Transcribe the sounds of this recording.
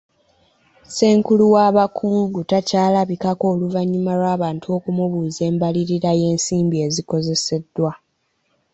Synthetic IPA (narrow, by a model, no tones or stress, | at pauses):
se̞ːŋkuluwaːβakʰuːŋɡutacaːlaβikako̞ːluvaɲːumalwaːβaːntʰuo̞ːkumuβuːze̞ːmbaliɾiɾaje̞ːnsiːmbie̞ziko̞ze̞se̞dːwa